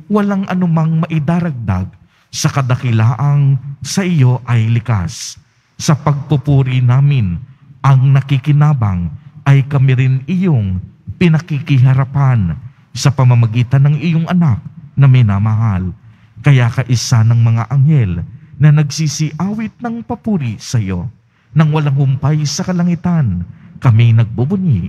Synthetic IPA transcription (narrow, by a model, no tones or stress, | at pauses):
wɐlaŋʔɐ̰nʊmaŋmɐʔɪd̪aːɾɐɡ̚d̪a̰ɡ̚ | sɐkɐd̪ɐkɪlaːʔɐnsɐʔɪjo̞ʔɐjlɪka̰sː | ɐpɐɡ̚pupuːɾinaːmɪnʔɐŋnɐkikɪnaːbɐ̰ŋʔɐjkɐmɪɾɪnɪjoŋpɪnɐkikɪɦɐɾapan | sɐpɐmɐmɐɡiːt̪ɐnːɐŋɪjoŋʔɐnak̚nɐmɪnamɐɦal | kɐjakɐʔɪsanɐŋmɐŋa̰ʔɐŋhɛlnɐnɐɡsisiʔaːwɪt̪̚nɐŋpɐpuːɾisɐjo | nɐŋwɐlaŋhʊmpajsɐkɐlɐŋɪt̪ankɐminɐɡ̚bubʊni